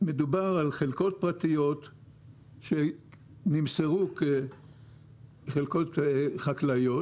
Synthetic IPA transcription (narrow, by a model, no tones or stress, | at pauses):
med̪ubaʁalχelko̞t̚pʁat̪ijo̞t̪ | ʃe | nimseʁuke | χelkotχaklajo